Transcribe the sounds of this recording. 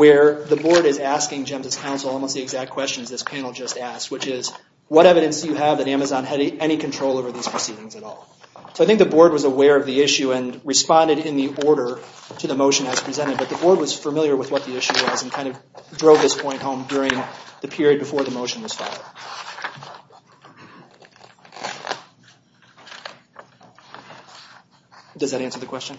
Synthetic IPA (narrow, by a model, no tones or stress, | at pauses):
wə˞ðɨbɔɹɾɨzæskɪ̃ŋd͡ʒɛ̃mzɨz̥kʰãʊ̃nsl̩ˠɔlˠmoʊst̪̚ðiɨɡzæk̚t̚kʰw̥ɛst͡ʃn̩zðɪspʰænl̩ˠd͡ʒʌstæsks̚wɨt͡ʃɪz | wʌɾɛvɨɾɨ̃nsjɨəvðɨɾæmɨzɑ̃nɨɾɛɾ̃ikʰɨ̃ntʰɹ̥oʊlˠoʊvə˞ðiz̥pʰɹ̥ɨsiɾɪ̃ŋzɨɾɔ̰lˠ | soʊaɪθɪ̃ŋk̚ðɨbɔɹd̚wʌzəwɛɹʌvðiɪʃʉɨ̃nɹɨspɑ̃ndɨɾɪ̃nðiʔɔɹɾə˞ɾɨðɨmoʊʃɨ̃nɨz̥pʰɹ̥izɛ̃ɾ̃ɨd̚bʌt̪̚ðbɔɹd̚wʌz̥fə˞mɪlˠjə˞wəðwʌt̪̚ðiɪʃʉwʌznkʰãɪ̃ndʌvdɹoʊvðɪspʰɔ̃ɪ̃nʔ̚hõʊ̃mdʊɹɪ̃ŋðɨpʰɪɹiɨd̚bɨfɔɹðɨmoʊʃɨ̃n̩wʌz̥fa̰ɪd̥̚ | d̥ʌzðɨɾæ̃nsə˞ðɨkʰw̥ɛst͡ʃɨ̃n